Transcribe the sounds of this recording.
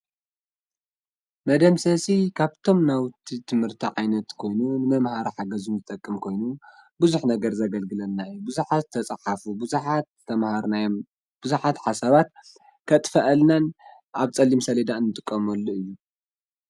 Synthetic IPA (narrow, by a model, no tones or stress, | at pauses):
mɐd̪ɐmsɐsikʰaβt̪ʰo̞mnawt̪ʰit̪ʰɨmhɨɾt̪ʰiʕajnɐt̪kʰo̞jnunɨmɐmhaɾiħaɡɐzumzɨt̪ʼɐkʼːɨmkʰo̞jnu | buzuħnɐɡɐɾzɐɡɐlɡɨlɐnːaɨjːubuzuħat̪ʰːɐt͡sʼaħafubħat̪ʰɐmaɾnaj | b̥uzuħat̪ħasaβat̪̚ | kʰɐt̪ʼfɐʔɐlnan | ʔaβt͡sʼɐlːimsɐlɐd̪aɨnːɨt̪ʼɨkʼːɐmɐlːuɨjːu